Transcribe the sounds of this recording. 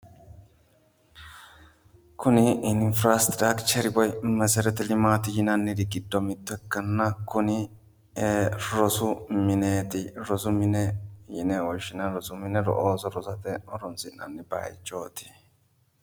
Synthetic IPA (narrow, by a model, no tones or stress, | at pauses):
kʰʊnɪʔɪnfɾast̪ɾakt͡ʃɛɾɪbɔjmɐsɛɾɛt̪ɛlɪmaːt̪ɪjɪnanːɪd̪ɪɡɪd̪ːɔmɪt̪ːɛkːɐnːɐkʊnɪ | ɾɔsʊmɪneːt̪ɪɾɔsʊmɪnɛjɪ̰nɛwɔʃɪnɐɾɔsʊmɪnɛɾɔ̰ʔoːsɔɾɔsɐt̪ɛɔɾɔnsɪnɐ̰nːɪba̰ːjɪt͡ʃːoːt̪ɪ̥